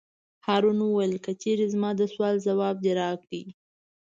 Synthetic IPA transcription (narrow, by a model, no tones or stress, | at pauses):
hɑɾunəwajəlkət͡ʃeɾezmɑd̪əswɑlzawɑb̚d̪eɾɑkɽi